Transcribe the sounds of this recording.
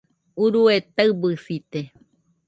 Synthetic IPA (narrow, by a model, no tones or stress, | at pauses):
uɾuet̪aɨbɨsit̪e